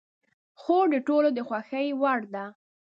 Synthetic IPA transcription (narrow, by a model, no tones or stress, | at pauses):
xod̪əʈolod̪əxwaxəjwaɽd̪a